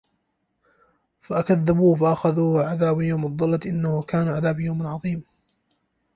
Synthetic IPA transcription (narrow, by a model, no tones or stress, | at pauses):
faʔakaðːabuːfaʔaxaðuːʕaðaːbjawmɨðˤːɑlːɑt̪ʔɪnːahʊkaːnaʕaðaːbjawmaʕɑðˤiːm